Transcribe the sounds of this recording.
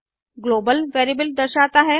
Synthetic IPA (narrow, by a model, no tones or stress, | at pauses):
ɡloːbəlʋeːɾibəld̪əɾʃaːt̪aɦɛ